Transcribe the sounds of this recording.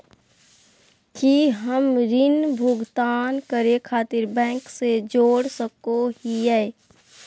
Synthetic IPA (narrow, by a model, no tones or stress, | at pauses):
kiɦəmɾɪnbʱʊɡt̪aːnkəɾekʰaːt̪ɪɾbɛ̃ːŋksed͡ʒoːɽsəkoɦiɛː